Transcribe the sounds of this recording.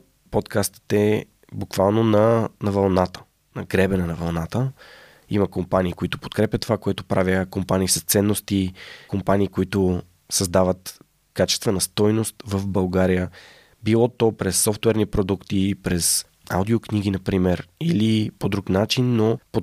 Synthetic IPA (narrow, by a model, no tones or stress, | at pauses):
pot̪kʰast̪ə̥t̪ɛ | bukvalˠnonɐnɐvɐlˠnat̪ə̥ | nɐɡɾɛbɛnɛnɐvɐlˠnat̪ə | iməkompaniːkoit̪o̥po̥t̪kɾɛpʲjət̪ːovakoɛt̪opɾʔavʲjəkompaniːsɐst̪sɛnːost̪ikompaniːkoit̪o | sɐzd̪avət̪ | kat͡ʃɛst̪vɛnəst̪ɔjnost̪vəfbɐlˠɡaɾijə | bilˠɔt̪ɔpɾɛsːɔft̪wɛɾnipɾod̪ukt̪ipɾɛs | a̰wd̪iokniɡinɐpɾimɛɾilipod̪ɾuknat͡ʃinːopo